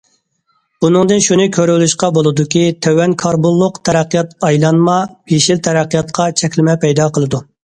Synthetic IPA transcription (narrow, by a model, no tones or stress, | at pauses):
bunɨŋd̪ɨnʃunɨkʲʰøɾylyʃqɑbolˠɨd̪ukʲit̪ʰøwɛnkʰɑɾbulˠːʊqt̪ʰɛɾæqːijɑt̪ɑjlˠɑnmɑbeʃilt̪ʰɛɾæqːijɑt̪qʰɑt͡ʃʰɛkʲlɪmɛpɛjd̪ɑqəlˠɨd̪u